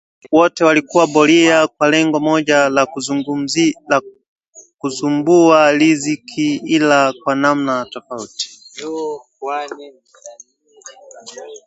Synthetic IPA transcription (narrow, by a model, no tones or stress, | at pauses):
wɔtɛwalikuwabɔliakwalɛŋɡɔmɔʄala | kusumbualizikʰiilakwanam̩natɔfauti̥